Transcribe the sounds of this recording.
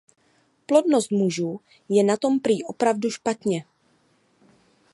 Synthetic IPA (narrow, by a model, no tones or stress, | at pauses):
plo̞dno̞st̪muʒuː | jɛnat̪o̞mpɾiːʔo̞pɾavduʃpat̪ɲɛ